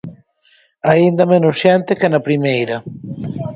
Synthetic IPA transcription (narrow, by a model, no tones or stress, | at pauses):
aind̪ɐmenʊsʃɛnt̪ɪkenɐpɾimejɾɐ